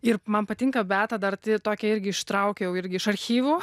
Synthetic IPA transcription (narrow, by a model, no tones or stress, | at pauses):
ɪrmɐnpɐt̪ʲɪŋkɐbʲæːt̪ɐd̪ɐrt̪ʲɪt̪oːkʲɛɪɾʲɡʲɪɪʃt̪ɾɐʊkʲɛjɛʊɪɾʲɡʲɪɪʃɐɾʲxʲiːʋuː